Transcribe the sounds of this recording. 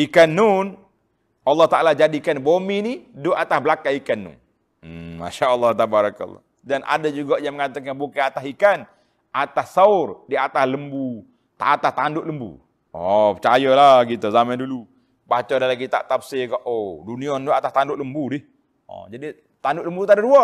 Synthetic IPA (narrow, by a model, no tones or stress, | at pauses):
ikanːun | ɑlːɑht̪aʔalad͡ʒadikanbominidʊʔat̪abəlakaikanːṵn | ma̰ʃaəlːɑht̪abaɾaka̰l̰ː | danʔa̰dəd͡ʒuɡaʔjaŋməŋat̪əkanbukaat̪aɦikan | ʔat̪assaʊrdiat̪asləmbu | t̪a̰ʔat̪ast̪andʊʔləmbṵ | ɔpət͡ʃajəlaɡit̪uzamandulu | bat͡ʃadalaɡit̪a̰ʔt̪apsekaʔoduniɔnduat̪ast̪andʊʔləmbudɪh | ɔ̰d͡ʒadi | t̪andʊʔləmbut̪adadua